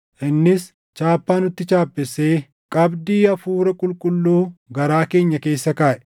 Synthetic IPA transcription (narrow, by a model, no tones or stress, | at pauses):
ʔɪnːɪs | t͡ʃaːpːaːnʊt̪ːɪt͡ʃaːpːɛsːe̞ː | kʼɐbd̪iːɐfuːɾɐkʼʊlkʼʊlːuːɡɐɾaːke̞ːɲːɐke̞ːsːɐkaːʔɛ̥